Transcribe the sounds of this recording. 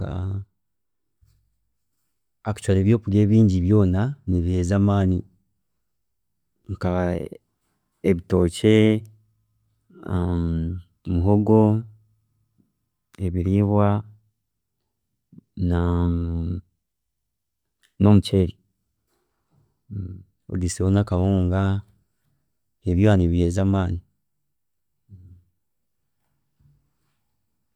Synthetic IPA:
a̰ | akḁt͡ʃwaleːβjo̞ːpuɾje̞ːβiːɲɟiβjo̞ːnaniβie̞ːzaːmaːni | ŋkaβa | eβito̞ːce̞ | muɦoɡo̞ | e̞βiɾiːβwa | na | nomuceɾi | o̰disiβonakaβuːŋɡa | eβjaːniβjeːzamaːni

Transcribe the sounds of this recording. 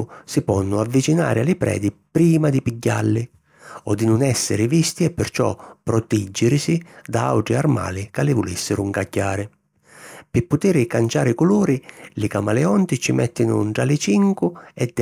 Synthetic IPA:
ʊsipɔnːʊavːit͡ʃina̰ːɾɪalɪpɾɛ̰ːd̪ipɾiːmad̪ipiɟːa̰lːɪ | ɔd̪ːɪnʊnɛsːɪɾɪvist̪iɛpːɪrt͡ʃɔ̰pːɾɔt̪id͡ʒːɪɾɪsid̪aa̰wʈɾiarma̰ːlɪkalɪvʊlisːɪɾʊŋkaɟːaːɾɪ | pɪpːʊt̪iːɾɪkant͡ʃaːɾɪkʊluːɾilɪkamalɛɔnt̪it͡ʃimɛ̰t̪ːɪnʊ̰ɳʈɾalɪt͡ʃiŋkwʊɛd̪ː

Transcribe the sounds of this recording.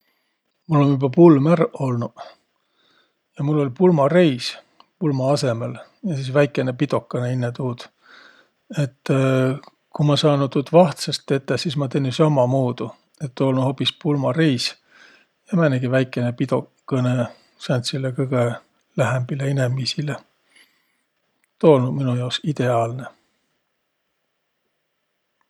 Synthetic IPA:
mulːonjub̥ɑpulmæro̞lnu | jɑmulːo̞lʲpulmɑrejs | pulmɑɑse̞meljɑsiːsvæjkˑːe̞nepid̪̥o̞kːɑneinːet̪uːd̪̥ | e̞t̪ːˑ | kumɑsɑːnut̪ut̪vɑht̪sɑst̪ːet̪ːˑesismɑt̪enʲysɑmːɑmuːd̪̥u | e̞t̪ːo̞lnuho̞pːˑispulmɑreːs | jɑmæneɡ̥ivæjkːˑenepid̪okːɑne | sænt̪silekɤɡ̥e | læɦembileinemisile | t̪oːlnu̥minujɑwksid̪̥e̞ɑːlne̞

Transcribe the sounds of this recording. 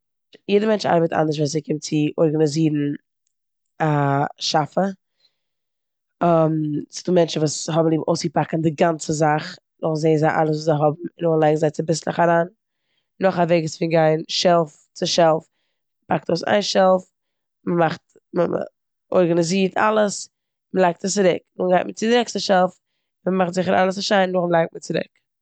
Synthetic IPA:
jeːdəmɛnt͡ʃa̰ɾbəta̰ndɪʃ̬vaːsɛɪkʰɪmtt͡sɪɔɾɡanɪziːɾn̩ | aʃafə | ɔmsɪduːmɛnt͡ʃn̩vuːsɦɔbm̩lˠiːbm̩ʔoʊsəpakn̩dɪɡant͡səzaχ | nʊχzeɪnzaɪʔa̰lˠəsvuːszaɪɦɔbm̩ɪnoːlˠaɪɡzaɪt͡sɪbɪsnʊ̰χaɾaːnː | ʊχaveɪɡəsfɪːnɡaɪnʃɛlˠf | t͡sɪʃɛlˠf | əpak̚tʰoʊsa̰ɪnʃɛlˠf | məmaχt | mə̰ | ɔ̰ɾɡanɪziːɾtʰa̰lˠəs | məlˠaɪk̚təst͡sɪɾɪknuːɡaɪt̚mət͡sɪdɪɛkst͡stəʃɛlˠf | məmaχtzɪχəɾa̰lˠəs̬aʃaɪnnuːʁn̩lˠaɪk̚t̚mət͡sɪɾɪ̰k

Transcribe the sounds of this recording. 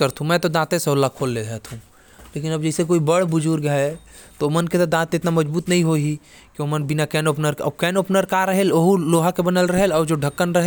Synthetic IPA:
kəɾt̪ʰũmɛ̃t̪od̪at̪ẽseolːakʰːolːed͡ʒat̪ʰɦũ | lekinəbd͡ʒəsekoibəɽ̤bud͡ʒuɾɡat̪ɔomənket̪ɔd̪at̪et̪naməd͡ʒbuːt̪nəɦĩɦoɦi | kiomənbinakɛnopnəɾkə̰bkɛnopnəɾkaɾəɦeloɦuloɦakebənəlɾəɦelɔːɾd͡ʒoɖʱəkːənɾəɦe

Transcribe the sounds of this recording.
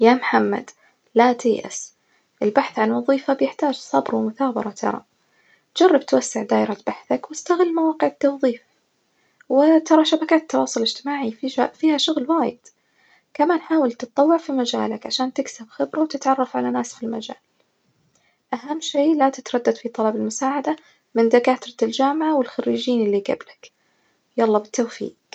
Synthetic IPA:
jaːmħamːa̰d̪ | lat̪ɪːʔa̰s | ʔɪlbaħθʕanwɑðˤiːfabjɪħt̪aːd͡ʒsˤɑbɾuwmʊθaːbɑɾˤɑt̪ʰɑ̰ɾˤɑ̰ | d͡ʒɑrˤːɑb̚t̪wasːaʕd̪aːʔɪɾab̥aħθakwɪst̪aɣɪlːmawɑːqɪʕɪt̪ːɑwðˤiːf | wɪt̪ɑɾˤɑʃabakaːt̪t̪ːɑwɑːsˤʊlɪd͡ʒt̪ɪmaːʕifafiːhaʃʊɣlwaːjɪ̰d̪̥ | kamaːnħaːwalt̪ɨt̪ˤːɑwːɪʕfimad͡ʒa̰ːlakʕaʃaːnt̪ɪksabxɪbɾɑwt̪ɪt̪ʕɑrˤːɑfʕalanaːsfilma̰d͡ʒa̰ːl | ʔaɦamːʃeːlat̪ɪt̪ɾˤɑd̪ːad̪fit̪ˤɑlɑbalmʊsaːʕad̪a | mɪnðakaːt̪ɾˤɑɪld͡ʒaːmɪʕawɪlxarːiːd͡ʒiːnʔɪlːiɡa̰blak | jɑlˤːɑːbɪt̪ːawfḭːq

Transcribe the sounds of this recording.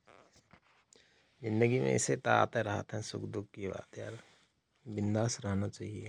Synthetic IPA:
zɪ̃nd̪əɡimḛ̃ɪ̰set̪aa̰ːt̪eɾɐɦə̰t̪ɦɛ̃sʊ̰kd̪ʊɡkiʋa̰ːt̪ja̰ɾ | bɪnd̪aːsɾɐɦnat͡ʃaːɦie

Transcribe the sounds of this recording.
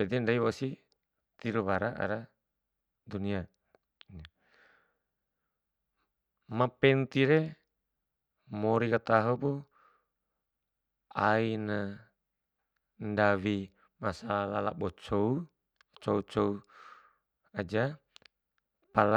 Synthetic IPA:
pɛd̪indaiwosi | t̪iɾuwaɾaʔa̰ɾa | dunia | mapɛnt̪iɾe | moɾikat̪aɦupu | aina | ndawi | masalala̰bɔt͡ʃou | t͡ʃout͡ʃou | ad͡ʒa | pala

